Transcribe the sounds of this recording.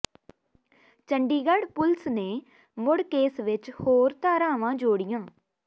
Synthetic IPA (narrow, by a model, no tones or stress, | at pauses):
t͡ʃəɳɖiːɡəɽpʊlsneː | mʊɽkeːsʋɪt͡ʃhoːɾt̪aːɾãːʋãːd͡ʒoːɽɪjãː